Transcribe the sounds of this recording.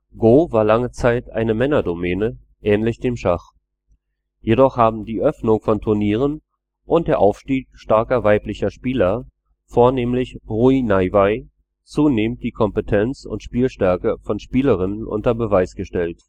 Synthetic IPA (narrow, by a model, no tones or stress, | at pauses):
ɡ̥oːvaːɐlaŋət͡saɪtʔa̰ɪnəmɛnɐdomɛːnə | ʔɛːnlɪçd̥eːmʃaχ | jedɔχhaːbm̩diːʔœfnʊŋfɔntʰʊɐniːʁ̞ən | ʔʊnt̚d̥eːɐʔaʊfʃtiːkʃtaɐkɐvaɪplɪçɐʃpiːlɐ | foːɐneːmlɪçʁuinaɪvaɪ | t͡suːneːmnt̚d̥iːkʰɔmpətʰɛnt͡sʊ̰ntʃpiːlʃtɛɐkəfɔnʃpiːləʁ̞ɪnənʔʊ̰ntɐbəvaɪsɡ̥əʃtɛlt